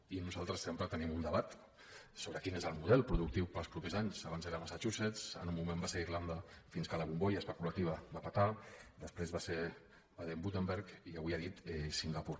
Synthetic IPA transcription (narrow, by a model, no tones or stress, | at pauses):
inuzalˠt̪ɾəsːempɾət̪ənimund̪əβat̪ | soβɾəkinezəlˠmuð̞ɛlˠpɾuðuk̚t̪iwpəlˠspɾupezaɲzaβanzðeɾəmasat͡ʃusesə̰numːumẽmbaseɾirland̪əfinskələβumbojəːspəkulət̪iβəbapat̪ad̪əspɾezβase | baðembut̪embeɾkiaβiaðit̪ɛsiŋɡapuɾ